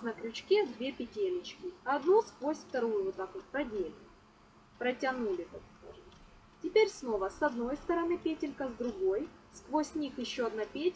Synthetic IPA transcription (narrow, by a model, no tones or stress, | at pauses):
nɐkɾʲʊt͡ɕkʲevd̪vʲe̞pʲɪtʲelʲɪt͡ɕkʲɪɐɐd̪nuskvosʲft̪ɐɾujʊvot̪akʊpɐdʲelʲɪ | pɾətʲɐnulʲɪk̪akskaʐɨt̪ | tʲɪpʲeɾʲsno̞vəsɐd̪no̞jst̪əɾɐnɨpʲetʲɪnkəzd̪ɾʊɡo̞jskvosʲnʲixjɪɕːo̞ɐd̪napʲetʲ